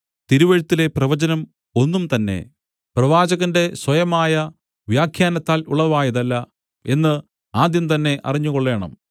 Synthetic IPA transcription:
t̪iɾuʋɐɻut̪ːile̞prɐʋɐd͡ʑɐnɐm | o̞nːumt̪ɐnːe̞̰ | prɐʋaːd͡ʑɐɣɐnde̞swɐjɐmaːjɐ | ʋjaːkʰjaːnɐt̪ːaːluɭɐʋaːjɐðɐlːɐ | e̞nːɨ | aːd̪jɐmt̪ɐnːe̞ʔɐ̰riɲːuɣoɭːe̞ːɳɐ̰m

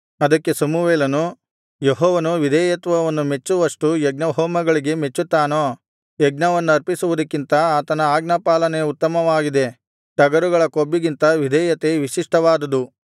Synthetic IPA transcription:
ɐd̪ɐkːe̞sɐmuʋeːlɐnu | jeɦɔːʋɐnuʋid̪ʱɛːjɐt̪ʋɐʋɐnːume̞t͡ʃːuʋɐʂʈujeɡ̚nɐɦɔːmɐɡɐɭiɡe̞me̞t͡ʃːut̪ːaːnoː | jeɡnɐʋɐnːuɐɾpisuʋud̪ɐkːint̪ɐaːt̪ɐnɐaːɡnɐpaːlɐnejɐut̪ːɐmɐʋaːɡid̪e̞ | ʈɐɡɐɾuɡɐɭɐkobːiɡint̪ɐʋid̪ʱɛːjɐt̪eʋiʂiʂʈɐʋaːd̪ɐd̪u

